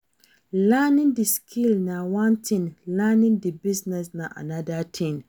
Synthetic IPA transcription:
lanɪ̃ndiskʰilnãwãntʰĩnlanɪ̃ndibiznɛsnãʔa̰nadatʰĩn

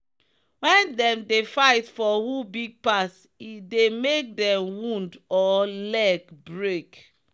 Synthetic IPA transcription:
wɛ̃ndɛ̃mdefaɪtfɔhubiɡ̚pas | idemek̚dɛ̃mwũndɔlɛɡbɹek

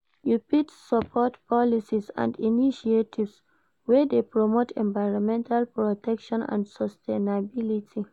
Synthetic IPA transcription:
jupitsɔpʰɔtpʰɔlisisã̰ndiniʃietʰivs | wɛdepɹɔmotʰɛ̃ɱvaɪɹɔ̃mɛ̃ntʰalpɹɔtʰɛkʃɔ̃nã̰ndsɔstʰenabilitʰi

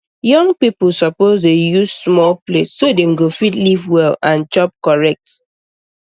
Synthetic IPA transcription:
jɔ̃ŋpipl̩ˠsɔpozdejuzsmɔlpletsːodemɡofitlivwɛlãnt͡ʃɔp̚kɔɹɛk̚t

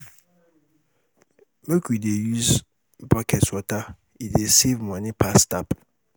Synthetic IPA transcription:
mekʰuidejuz | bɔkʰɛtwɔta | idesevmɔ̃nɪ̃pʰastap

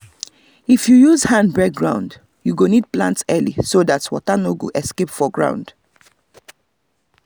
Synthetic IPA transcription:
ifjujuzhãndbɹɛk̚ɡɹãʊ̃nd | juɡonid̚plã̰ntsɛlḭsoðatwɔ̰tanoɡṵʔɛskepfɔɡɹã̰ʊ̃nd̥

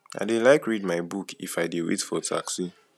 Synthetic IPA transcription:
a̰ɪdelaɪkɹidmaɪbukʰḭfaɪdewḛtfɔtʰa̰ksi

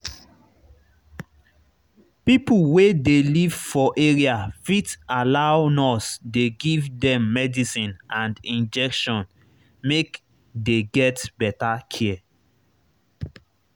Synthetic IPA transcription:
pipuwedelivfɔʔeɹiafitalaʊnɔsdeɡivdɛ̃mːɛdisĩnãndĩnd͡ʒɛkʃɔ̃n | mek | deɡɛtbɛtakʰɛɛ

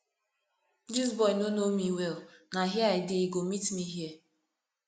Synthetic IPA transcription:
d͡ʒizbɔjnonomiwelnaɦjaɪdɪiɡomitniɦje

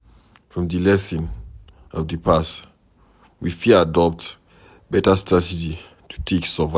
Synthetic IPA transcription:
fɹɔ̃mdəlɛsĩn | ɔvdəpʰas | wifiadɔp̚t | bɛtəstɹatɛd͡ʒi | tʰu̥tʰeksəva

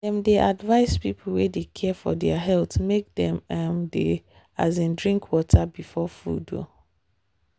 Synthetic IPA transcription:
dɛ̃mdeʔadvaɪspipʰl̩wedekʰɛfɔdɛaɦɛltmek̚dɛ̃mamde | azĩndɹĩŋkʰwɔtʰabifɔfṵdo̰

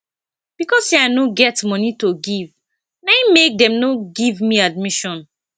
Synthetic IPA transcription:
b̥ikɔsaɪnoɡɛtmɔnitoɡiv | namek̚dɛ̃mnoɡivmiad̚miʃɔ̃n

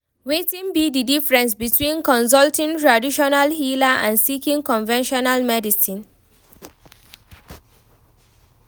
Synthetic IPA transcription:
wetĩnbididifɹɛ̃ns̬bitʰwĩnkɔ̃ns̬ɔltĩŋtɹadiʃɔnalhilaʔã̰nsikĩŋkɔ̃nvɛ̃nʃɔnalmɛdisĩn

